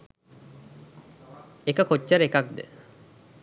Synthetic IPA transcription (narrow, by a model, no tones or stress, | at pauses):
ekəkʰotːaɾekak̚d̪ḛ